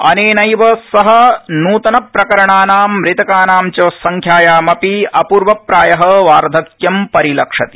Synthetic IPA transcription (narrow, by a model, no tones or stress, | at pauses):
ɐ̰neːnɐjʋɐsɐɦɐnuːt̪ɐnɐpɾɐkɐɾɐɳaːnaːmɾɪt̪ɐkaːnaːmt͡ʃoːsɐŋkʰjaːjaːmɐpiɐpuːɾʋɐpɾaːjɐɦɐʋaːɾd̪ʱɐkjɐmpɐɾilɐkʂɐt̪i̥